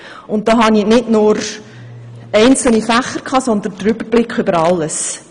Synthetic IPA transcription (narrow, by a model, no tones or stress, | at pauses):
ʊnt̚d̥oːɦɑninɪdnʊɾ | ɛɪnt͡sl̩nifæχəɾkʰɑːsɔnd̪əndəɾʏbəɾb̥lɪkχʏbəɾɑlːəs